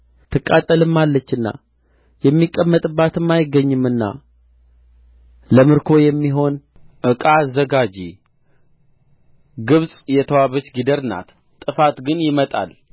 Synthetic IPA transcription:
t̪ʰɨkʼːat̪ʼːəlɨmːalːət͡ʃːɨnːa̰ | jɛmːikʼːəmːət̪ʼɨbːat̪ʰɨmːajɪɡːəɲːɨmːɨnːa̰ | ləmɨɾkʰo̞jɛmːiɦo̞n | ʔɨkʼazəɡad͡ʒi | ɡɨβsʼjɛt̪ʰəwaβət͡ʃɡid̪əɾna̰t̪ | t̪ʼːɨfat̪ɡɨnjɪmət̪ʼa̰l

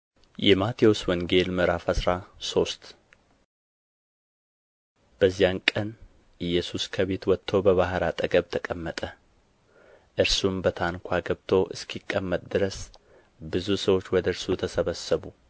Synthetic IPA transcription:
jɛmat̪ʰijo̞swɔŋɡe̞lmɨɾafəsɾaso̞st̪ | b̥əzːijankʼən | ʔɨjːɛsuskʰəβe̞t̪wɔt̪ʰːo̞bəβahɾat̪ʼəɡəβt̪ʰəkʼəmːət̪ʼə | ʔɨɾsumbət̪ʰankʰʷaɡəβt̪ʰo̞ʔɨ̰skʰikʼːəmːət̪ʼd̪ɨɾəs | bɨzusəwo̞t͡ʃːwɔd̪əɨɾsut̪ʰəsəβəsːəβu

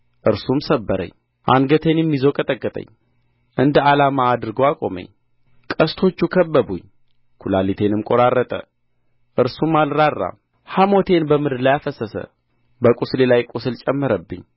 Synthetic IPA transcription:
ʔɨɾsumsəbːəɾə̰ɲː | ʔanɡət̪ʰenjɛmːizokʼət̪ʼəkʼːət̪ʼə̰ɲː | ʔɨnd̪əalamaːd̪ɨɾɡowakʼo̞̰mə̰ɲ | kʼəst̪ʰo̞t͡ʃːukʰəbːəbuɲ | kʰulalit̪ʰenɨmkʼo̞ɾarːət̪ʼə̰ | ʔɨɾsumalɾarːa̰m | hamo̞t̪ʰe̞nbəmɨd̪lajafəsəsə̰ | bəkʼuslelajkʼusɨlt͡ʃʼɛmːəɾəbːɨ̰ɲː

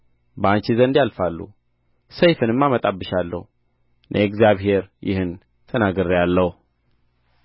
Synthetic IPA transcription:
bəant͡ʃizənd̪jalfalːṵ | sejfɨnɨmːamət̪ʼabːɨʃalːə̰hu | nʔə̰ɛɡzjaβɦe̞ɾjɪ̰hɨn | t̪ʰənaɡɨɾjalːəhu

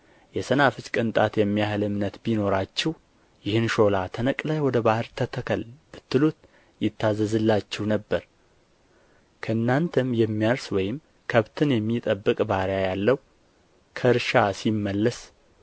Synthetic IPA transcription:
jɛsənafɨt͡ʃʼkʼɨnt̪ʼat̪jɛmːijahɨlɨmnət̪bino̞ɾat͡ʃːɛh | jɪhɨnʃo̞lat̪ʰənəkʼlajwɔd̪əbahɨɾt̪ʰət̪ʰəkʰəlb̥ɨt̪ːɨlut̪ | jɪt̪ʰːazːəzɨlːat͡ʃːɛhnəbːəɾ | kʰəɨnːant̪ʰɨmjɛmːijaɾswɔjɪm | kʰəβt̪ʰɨnjɛmːit̪ʼəbːɨkʼbaɾjajalːəw | kʰəɾʃasimːəlːəs

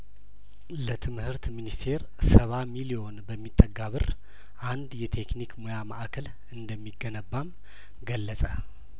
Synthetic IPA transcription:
lət̪ʰɨmhɨɾt̪minist̪ʰe̞ɾ | səβamilio̞nbəmːit̪ʼːəɡːaβɨr | ʔand̪jɛt̪ʰe̞knikmojama̰ʔakʰəl | ɨnd̪əmːiɡːənəbːam | ɡəlːəsʼə

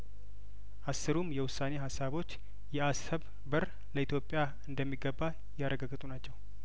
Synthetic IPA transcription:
ʔasːɨɾumjɛwʊsane̞ɦasːaβo̞t͡ʃː | jɛasəβ | bɨɾ | ləit̪ʰjo̞pʼːja | ɨnd̪əmːiɡəbːa | jaɾəɡaɡɨt̪ʼunat͡ʃːɛw

